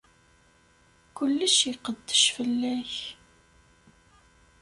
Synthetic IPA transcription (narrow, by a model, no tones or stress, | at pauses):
kʊlːəʃiqəd̪ːəʃfəlːæç